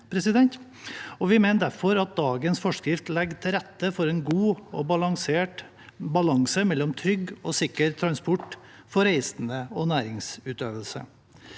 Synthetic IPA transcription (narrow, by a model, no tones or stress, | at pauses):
pʰɾɛsɪd̪ɛnt̪ | ɔʋɪmeɪnd̪æɾfɔɾɑt̪̚d̪ɑːɡənsfɔʂkɾɪft̪lɛɡt̪ʰɪɾɛt̪ːəfɔɾeːnɡuːɔbɑlɑŋseːʈ | bɑlɑŋsəmɛlːɔmt̪ʰɾʏɡoːsɪkəɾt̪ʰɾɑnspɔʈ | fɔɾeɪsnəɔnæːɾɪŋsʉːt̪øːʋəlsə̰